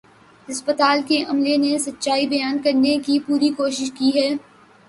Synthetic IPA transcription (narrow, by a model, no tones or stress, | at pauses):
ɐspət̪aːlkeʔɐmlenesɐt̪ːʃaːibɐjaːnkɐɾnekipuːɾikoːʃɪʃkiɦɛː